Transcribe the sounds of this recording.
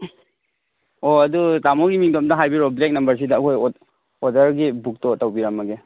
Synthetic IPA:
oɐdutamoɡimiŋdom̚dɐɦajbiɾɔblek̚nɐmbɐɾs̬idɐɐkʰojɔ | ɔdɐɾɡibuk̚tɔtːawbiɾamːɐɡe

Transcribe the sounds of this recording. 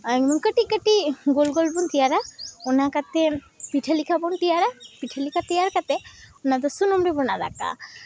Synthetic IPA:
aŋmɔnkəʈikəʈiɡolɡɔlbɔnt̪ijaɾaɔnakat̪ɛ | piʈʰalikʰabɔnt̪ijaɾapiʈʰəlikʰat̪ɛjaɾkat̪ɛɔnat̪̬ɔsunumɾɛbɔnada̰ka̰

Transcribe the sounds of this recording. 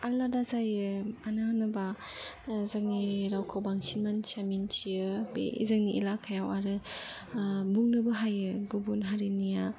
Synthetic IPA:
aɾladazajɯananɯba | zakniɾawkʰawbaŋsinmansamint͡ʃijɯbḛḭzɯŋniʔḭlakʰajawaɾɯ | mbuŋnɯbɯɦajɯɡubunɦaɾinija

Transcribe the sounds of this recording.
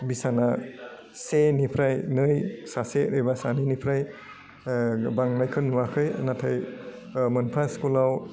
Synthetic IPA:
bisana | senipʰɾajnɯjsaseɯjbasaninipʰɾaj | baŋnajkʰɯnwakʰɯjnatʰaj | mɯnpʰaskulaw

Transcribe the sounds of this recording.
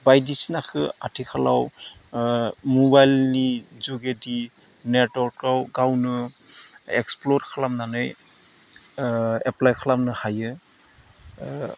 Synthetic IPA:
bajdisnakʰɯatʰikʰala̰w | mɔbajlnizɔɡedi | netwɔɾt̚kawɡawnɯ | ɛksplɔɾkʰalamnanɯj | ɛplajkʰalamnɯhajɯ

